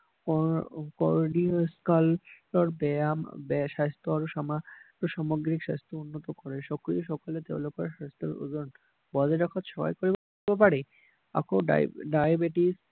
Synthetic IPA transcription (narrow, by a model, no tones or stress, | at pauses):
kɔkɔɾɖioskalːɔɾbɛambɛʃast̪oaɾoʃamaɾoʃamoɡɾikʃast̪ounːot̪okɔɾeʃɔkɾiʃɔkalet̪eo̰lokʰoɾaʃast̪oɾo̰d͡ʒon | bɔd͡ʑeɾɔkʰat̪ʃɔba̰jkoɾib | bep̬aɾe | a̰kʰoɖa̰ɖajabeʈis